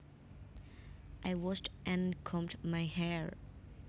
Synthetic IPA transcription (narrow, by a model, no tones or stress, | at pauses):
ʔaɪwɔstʔɨ̃nkʰɔ̃mtmaɪhɛɹ